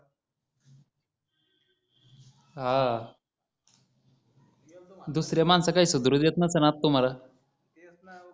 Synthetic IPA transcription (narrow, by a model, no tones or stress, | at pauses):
ɦa | d̪usɾjamansakaiːsud̪ɾud̪jet̪̚nəsənat̪ːum̤ala